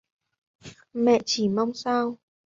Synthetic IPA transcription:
mɛ̰˧˨t͡ɕi˧˩ma˧wŋ͡msaː˧w

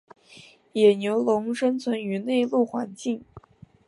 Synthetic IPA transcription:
jɛ˨˩njo˧˥ʊlʊ˧˥ŋʂə˥nt͡sʰwə˧˥ny˧˥ne˥˧ɪlu˥˩xwa˧˥nt͡ɕi˥˩ŋ

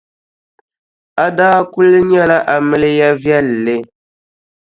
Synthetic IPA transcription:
a˨daː˦ku˦lɨ˦ɲɛ˦la˦ʔa˨mɨ˦lɪ˦ja˦vjɛ˦lːe˦

